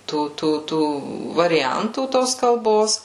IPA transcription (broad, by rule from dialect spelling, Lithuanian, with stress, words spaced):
ˈtuː ˈtuː ˈtuː ʋɐrʲɪˈjɛntuː ˈtoːs kɐlˠˈboːs